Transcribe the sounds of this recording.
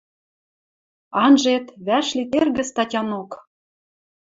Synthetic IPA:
ɑnʒet̪βæʃlit̪erɣɘ̆st̪ɑtʲɑnok

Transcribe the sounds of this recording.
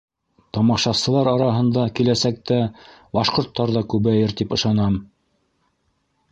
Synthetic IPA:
t̪ɑmɑʃɑsɤ̆lˠɑɾɑɾɑɦɤ̆nd̪ɑkilæsæk̚t̪æbɑʃqŏɾt̪ːɑɾðɑkʉβæjɘɾt̪ipɤ̆ʃɑnɑm

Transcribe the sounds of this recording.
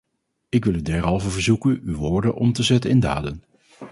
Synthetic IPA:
ɪkʋɪlˠydɛɹɦɑlˠvəɹvəɹzukənywʋʊːɹdənʔɔmtəzɛtənɪnda̰ːdən

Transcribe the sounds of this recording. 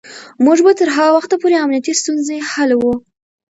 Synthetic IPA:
muʐbat̪əɾɦɑwaxt̪apoɾeamnijat̪ist̪unzehalwu

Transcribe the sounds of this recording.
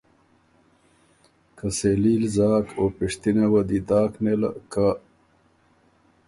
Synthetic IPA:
kʰɐseːliːlzaːkʰopiʂt̪inawɐd̪id̪aːknelɐ̰ka

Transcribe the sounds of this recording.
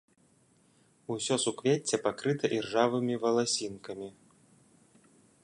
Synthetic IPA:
usʲɔsukvʲet͡sʲːɛpakɾɨt̪ɐʔirʐavɨmʲivɐlˠasʲinkɐmʲi

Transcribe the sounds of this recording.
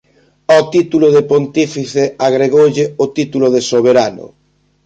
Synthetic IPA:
ɔt̪it̪uloðepont̪ifiθeaɣɾeɣowʎɪʊt̪it̪uloðesoβ̞eɾanʊ̰

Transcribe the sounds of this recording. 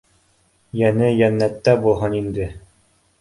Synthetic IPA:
jænɘjænːæt̪ːæbulˠɦɤnind̪ɘ

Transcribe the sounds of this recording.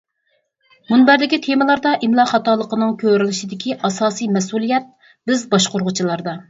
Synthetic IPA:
munbæɾd̪ɪkʲit̪ʰemɨlˠɑɾd̪ɑʔimlˠɑχɑt̪ɑːlˠːəqənɨŋkʲʰøɾɪlɪʃid̪ɪkʲʰiʔɑsɑːsɨjmɛsulˠijɛt̪̚ | b̥ɪzbɑʃqoɾʁʊt͡ʃʰilˠɑɾd̪ɑ

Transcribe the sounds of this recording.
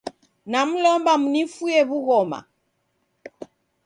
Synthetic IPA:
nam̩lɔmbamunifujɛβuɣɔma̰

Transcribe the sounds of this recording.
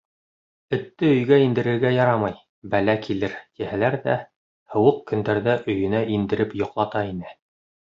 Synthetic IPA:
ɵ̆t̪ːɘɵ̆jɡæind̪ɘ̆ɾɘ̆ɾɡæjɑɾɑmɑj | bælækʰilɘɾt̪ihælæɾðæ̰ | hɤ̆wɤq̚kɵ̆nd̪æɾðæʔɵ̆jɵ̆næʔind̪ɘ̆ɾɘpjŏqlˠɑt̪ɑinɘ

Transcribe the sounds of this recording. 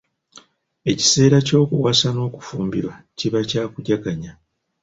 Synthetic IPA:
e̞ci̥se̞ːɾaco̞ːkuwasano̞ːku̥fuːmbḭɾwa | ciβacaːkuɟakaɲa

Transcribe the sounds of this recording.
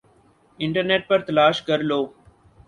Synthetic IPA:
ɪ̃ɳʈəɾneːʈ̚pəɾt̪əlaːʃkəɾloː

